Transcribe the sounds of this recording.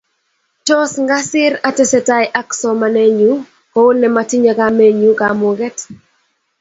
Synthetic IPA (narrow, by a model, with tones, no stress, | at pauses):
tɔ˦sŋɡa˦sɪ˦ɾa˦tɛ˦sɛ˨ta˦jʔa˦ksɔ˨ma˨ne˦ɲu˦ | kɔ˦o˦nɛ˨matɪ˦ɲa˨ka˦me˦ɲu˦kamʊ˨ɡɛ˦t